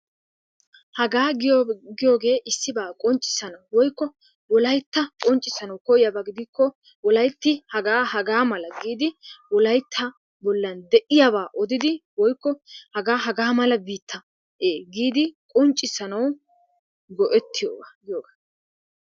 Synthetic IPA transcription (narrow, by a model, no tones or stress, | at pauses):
hɐɡaːɡɪjɡɪjoːɡe̞ːʔɪsːɪbaːkʼɔnt͡ʃʼːɪ̥sːɐnɐwwɔjkːɔ | wɔlɐjt̪ːɐkʼɔnt͡ʃʼɪsɐnɐwkɔjɪjɐbaɡɪd̪ɪkːɔ | wɔlɐjt̪ːɪhɐɡaːhɐɡaːmɐlɐɡiːd̪ɪwɔlɐjt̪ʰːɐ | bɔlːɐnd̪ɛʔɪjabaːʔɔd̪ɪd̪ɪwɔjkːɔhɐɡaːɦɐɡaːmɐlɐbiːt̪ʰːɐ | ʔeːɡiːd̪ɪkʼɔnt͡ʃʼːɪsɐnɐw | ɡɔʔɛt̪ːɪjo̰ːɡaɡɪjoːɡaː